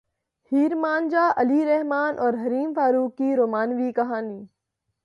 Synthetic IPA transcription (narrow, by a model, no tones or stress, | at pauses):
hiːɾmaːnd͡ʒaːʔɐliɾɛɦmaːnʔɔːɾɦɐɾiːmfaːɾuːkːiːɾoːmaːnʋiːkɐɦaːniː